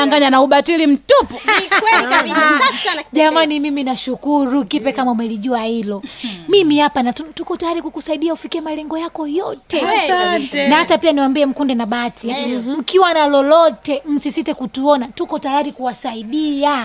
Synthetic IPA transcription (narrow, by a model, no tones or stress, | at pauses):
aŋɡaɲanauɓatilim̩tupɔiwɛiai | ʄamanimiminaʃukuɾukipɛkamaumɛliʄuahilɔmimihapanatutukɔtajaɾikukusaiɗiaufikiɛmalɛŋɡɔjakɔjɔtɛtnahatapianiwambiɛm̩kundɛnaɓatʰim̩kiwanalɔlɔtɛm̩sisitɛkutuɔnatukɔtajaɾikuwasaiɗia